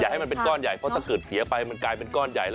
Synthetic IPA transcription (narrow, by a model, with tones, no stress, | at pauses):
jaː˨˩ha˥˩jma˧npe˧nkɔː˥˩nja˨˩jpʰɔ˦˥t̪ʰa˥˩kɤː˨˩t̪̚si˩˦ɐpa˧jma˧nklaː˧jpe˧nkɔː˥˩nja̰˨˩jl